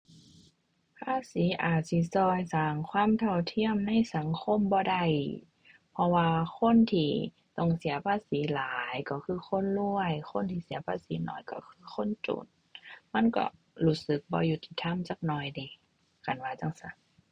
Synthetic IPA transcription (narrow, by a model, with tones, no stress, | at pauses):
pʰaː˧˥˨siː˨˦ʔaː˨˩t̪̚si˧˦sɔː˧jsaː˨˩ŋkʰwaː˧˥˨mt̪ʰa˧˩wt̪ʰi˧˥˨əmna˧˥˨jsa˨˦ŋkʰo˧˥˨mbɔː˧da˧˩j | pʰɔ˧waː˧kʰo˧˥˨nt̪ʰiː˧˩ | t̪ɔ˧˩ŋsi˨˦ɐpʰaː˧˥˨siː˨˦laː˨˦jkɔ˧˩kʰɯː˧˥˨xʰo˧˥˨nlu˧əjxo˧˥˨nt̪ʰiː˧˩si˨˦ɐpʰaː˧˥˨siː˨˦nɔ̰ː˧˩jkɔ̰˧˩kʰɯː˧˨xʰo˧˥˨nt͡ɕo̰˨˦t̪̚ | ma˧˥˨nkɔ̰˧˩ | luː˧˩sɯ˨˧˦k̚bɔ̰ː˧˦ju˧˩t̪i˧˩t̪ʰːa˧˥˨mt͡ɕaː˧˦k̚nɔː˧˩jdiː˨˩ | ka˨˩nwaː˧˩t͡ɕa˧˨ŋsa˧˩˦